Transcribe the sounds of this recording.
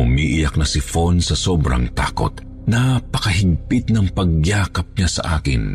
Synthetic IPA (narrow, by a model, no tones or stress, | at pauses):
ʊmiːʔɪjɐk̚nɐsɪfonsɐsoːbɾɐ̰ŋt̪a̰ːko̞̰t̪ | nɐpɐkɐɦɪɡ̚pɪt̪̚nɐŋpɐɡjaːkɐp̚ɲasɐ̰ʔaːkɪ̰n